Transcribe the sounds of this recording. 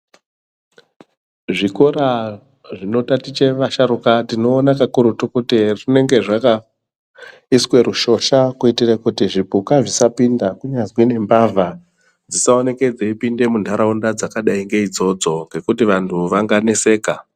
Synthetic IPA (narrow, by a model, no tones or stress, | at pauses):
ʐiko̞ɾa | ʐino̞tatit͡ʃe̞ʋaʃaɾukatino̞ːnakakuɾutukutirine̞ŋɡe̞ʐaka | iswe̞ɾuʃo̞ʃakuitirakutiʐipukaʐisapindakuɲazwine̞mbaːvʱa | d͡zisao̞ne̞ke̞d͡zeipinde̞muntʰaɾaundad͡zakaɗaiŋɡe̞id͡zo̞d͡zo̞ŋɡe̞kutiʋantʰuʋaŋɡane̞se̞ːka